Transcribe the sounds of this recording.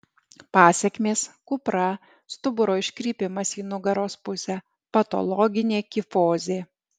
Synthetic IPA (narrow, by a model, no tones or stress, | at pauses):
pɑːsʲɛkʲmʲeːskʊpɾɐ | st̪ʊbʊɾoːɪʃʲkʲɾʲiːpʲɪmɐsiːnʊɡɐɾoːspʊsʲɛ | pɐt̪ɔ̰lˠɔɡʲɪnʲeːkʲɪfoːzʲeː